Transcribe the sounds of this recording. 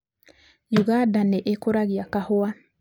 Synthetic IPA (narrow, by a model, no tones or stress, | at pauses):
juɣadaneʔekoɾaɣiakahoa